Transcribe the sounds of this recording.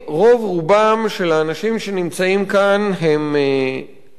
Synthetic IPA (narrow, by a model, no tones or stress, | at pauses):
ʁo̞vʁubamʃelaːnaʃimʃe̞nimt͡saimkanɦeme